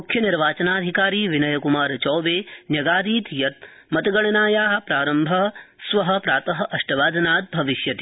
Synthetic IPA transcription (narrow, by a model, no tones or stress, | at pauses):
mukʰjɐniɾʋaːt͡ʃɐnaːɐd̪ʱikaːɾiːʋinɐjɐkumaːɾt͡ʃɔːʋeːnjɐɡaːd̪iːt̪jɐt̪̚ | mɐt̪ɐɡɐɳɐnaːjaːɦɐ̆pɾaːɾɐmbʱɐsʋɐɦɐ̆pɾaːt̪ɐɦɐ̆ʔɐʂʈɐʋaːd̪ɐnaːt̪̚bʱɐʋiʃjɐt̪i